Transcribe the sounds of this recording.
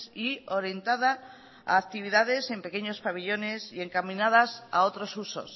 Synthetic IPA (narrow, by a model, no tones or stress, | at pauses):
sioɾje̞nt̪aða | a̰ːk̚t̪iβiðað̞e̞se̞mpe̞keɲo̞spaβ̞iʎo̞ne̞sie̞ŋkamĩnað̞asa̰ot̪ɾosuso̰s